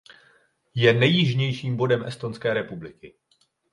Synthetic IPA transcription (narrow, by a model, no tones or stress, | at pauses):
jɛnɛjɪʒɲɛjʃiːmbo̞dɛmʔɛst̪o̞nskɛːɾɛpublɪkɪ